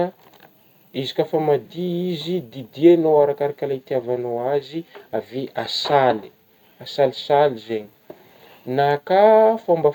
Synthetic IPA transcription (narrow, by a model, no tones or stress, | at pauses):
izi̥kʲafamad̪iizid̪id̪ienowaɾakaɾakʲalat̪iavanoaziaveʔasali̥ | asalisalizeɲi̥ | nakafamba